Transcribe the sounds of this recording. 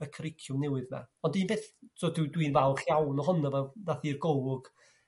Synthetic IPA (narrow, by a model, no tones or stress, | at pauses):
əkʰrɪkʰjʊnɛwɨðna̰ɔndiːnbeːθsʰoːtɪwdwiːnvawχjawnɔɦʊnavɛdaθirɡowʊɡ̥